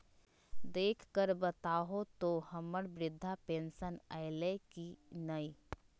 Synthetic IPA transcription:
d̪eːkʰkəɾbət̪aːɦot̪ohəməɽbɾɪd̪ʱːapẽːnsəna̰ɪlekinəi

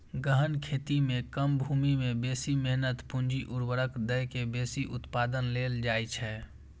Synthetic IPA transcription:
ɡəɦənkʰet̪imẽkəmbʱumimebesimɛɦnət̪pũnd͡ʒiʔuɾwəɾəkd̪əjkebesiʔʊt̪pad̪ənleld͡ʒajt͡ʃʰɛ

